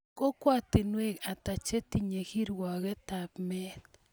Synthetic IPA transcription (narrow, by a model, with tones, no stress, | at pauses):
ko˦kwa˦t̪i˨nwe˦ka˨t̪a˨t͡ʃe˦t̪i˦ɲe˨ɣi˦ɾwa˨ɣe˦t̪apme˦t